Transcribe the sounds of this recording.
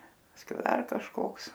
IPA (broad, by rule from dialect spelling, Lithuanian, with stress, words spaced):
pɐsʲˈkʲɛʊ ˈdɐr kɐʃˈkoːks